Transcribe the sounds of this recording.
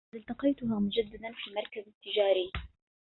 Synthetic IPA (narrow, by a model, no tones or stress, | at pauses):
ɪlt̪ɑqɑjt̪ʊɦaːmɪd͡ʒad̪ːad̪anfiːmɑɾˤkazɪt̪ːɪd͡ʒaːɾiː